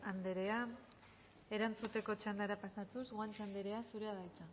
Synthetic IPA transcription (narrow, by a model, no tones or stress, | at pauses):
and̪e̞ɾe̞a | e̞ɾant͡sut̪e̞ko̞t͡ʃand̪aɾapasat̪uzɣoant͡ʃand̪e̞ɾe̞asuɾe̞aðajt͡sa